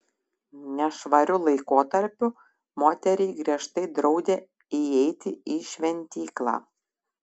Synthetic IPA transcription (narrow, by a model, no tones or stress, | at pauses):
nʲɛʃʋɐɾʲʊlˠɐɪkoːt̪ɐɾʲpʲʊ | moːt̪ʲɛɾʲiːɡɾʲiɛʃt̪ɐɪd̪ɾɒʊd̪ʲeː | iɛɪt̪ʲɪiʃʲʋʲɛnʲt̪ʲiːklˠɑ̰ː